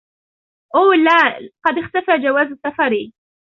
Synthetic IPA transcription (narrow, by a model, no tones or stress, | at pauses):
ʔoːlːaːqɑd̪ɪxt̪afaːd͡ʒawaːzasafɑɾiː